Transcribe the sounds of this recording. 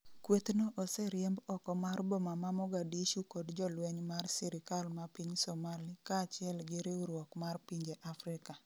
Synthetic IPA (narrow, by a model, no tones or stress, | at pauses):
kwet̪noʔɔsɛɾjɛmbɔkɔmarbɔmamamɔɡadiʃukɔdd͡ʒɔlwɛɲmarsiɾɪkalmapiɲsomalikaːt͡ʃɪɛlɡɪɾeuɾwɔkmarpiɲd͡ʒeʔafɾɪka